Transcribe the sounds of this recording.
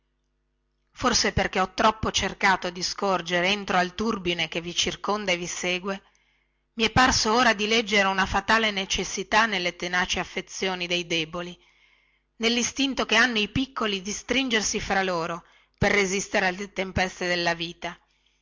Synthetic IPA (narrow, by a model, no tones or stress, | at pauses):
forseperk̟eɔt̪ːɾɔpːot͡ʃerkaːt̪od̪iskord͡ʒeɾeent̪ɾoalt̪urbinek̟evːit͡ʃirkond̪aeviseːɡwe | miɛpːarsooːɾad̪ilɛd͡ʒːeɾeunafat̪aːlenet͡ʃesːit̪anelːet̪enaːt͡ʃeafːet̪sːjoːnid̪ejd̪ɛːboli | nelːist̪int̪okeanːoipikːolid̪ist̪ɾind͡ʒersifɾaloːɾo | perːezist̪eɾealːet̪empɛst̪ed̪elːaviːt̪a